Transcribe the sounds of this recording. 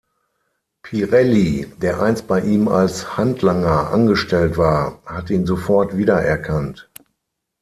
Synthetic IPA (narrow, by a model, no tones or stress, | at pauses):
pʰiʁɛlideːɐʔaɪnst̚b̥aɪʔiːma̰lshantʰlaŋɐʔa̰nɡəʃtɛltv̥aːɐhatiːnzofɔɐtv̥iːdɐʔɛ̰ɐkʰant